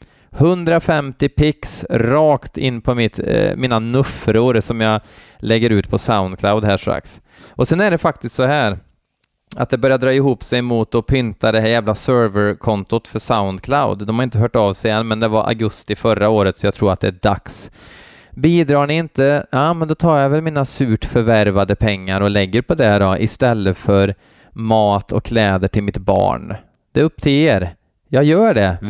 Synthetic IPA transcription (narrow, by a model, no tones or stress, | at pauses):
hɵnd̪ɾafɛmt̪ɪpʰɪksɾɑːkt̪ɪ̰nːpʰɔmɪt̪miːnanɵfɾʊɾsɔmjɑ | lɛɡːəɾʉ̟ːt̪pʰɔsaʊnd̪kʰlaʊd̪ɦæːʂɾa̰ks | ʔɔsɛnːæɖɛfak̚t̪ɪst̪sɔɦæːɾ | a̰t̪̚d̪ɛbœɾjad̪ɾɑːɪɦuːpsɛjmuːt̪ɔpʰʏnt̪ad̪ɛɦæːɾjæːvlasœɾvəɾkʰɔnt̪ʊt̪fœʂaʊnd̪kʰlaʊd̪ːɔmhaɾɪnt̪əɦœːʈɑvsɛɛnmɛnd̪ɛvaɾʔa̰ɡɵst̪ɪfœɾaoːɾət̪sɔjɑɡt̪ʰɾuːɾat̪̚d̪ɛæɖa̰ks | biːd̪ɾɑːɳɪɪnt̪əjɑːmɛnd̪ɔt̪ʰɑːɾjavɛlmiːnasʉːʈfœɾvæɾvad̪əpʰɛŋːaɾɔlɛɡːəɾpʰɔd̪ɛɾɔʔɪst̪ɛlːəfœɾ | mɑːt̪ʰɔ̰kʰːlɛːd̪əʈʰɪlmɪt̪bɑ̰ːɳ | d̪̥ɛɵp̚ːt̪ʰɪleːɾ | jɑːɡjœːɖɛ